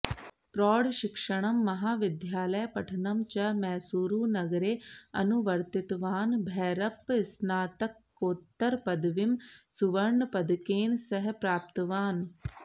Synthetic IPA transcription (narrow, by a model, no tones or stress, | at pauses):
pɾɔːɽʃɪkʂəɽ̃ɐmːɐɦaːʋɪd̪jaːləjpɐʈʰənɐmt͡ʃɐmɛːsuːɾuːnɐɡɾeːɐ̰nʊʋəɾt̪ɪt̪ʋaːnbʱɛːɾɐpsnaːt̪əkːoːt̪ːəɾpɐd̪ʋɪmsʊʋɐɾɳpɐd̪keːnsɐɦpɾaːp̚t̪ʋaːn